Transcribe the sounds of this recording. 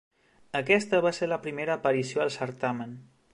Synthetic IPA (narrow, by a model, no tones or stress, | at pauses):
əkɛst̪əβaseɾləpɾimeɾəːpəɾisioəlˠsəɾt̪amən